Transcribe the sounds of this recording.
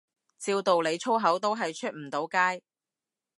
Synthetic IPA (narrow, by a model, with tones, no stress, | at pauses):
t͡siː˧wt̪o˨wle˨˧jt͡ʃʰo˥ɦɐ˨˥wt̪o˥wɦɐ˨jt͡ʃʰɵ˥t̚m̩˨˩t̪o˨˥wkaː˥j